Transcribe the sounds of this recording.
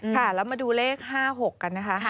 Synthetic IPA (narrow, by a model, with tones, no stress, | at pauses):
kʰa˥˩lɛː˦˥wmaː˧duː˧leː˥˩k̚ɦaː˥˩ɦo˨˩kːa˧nːa˦˥kʰa˦˥ʔ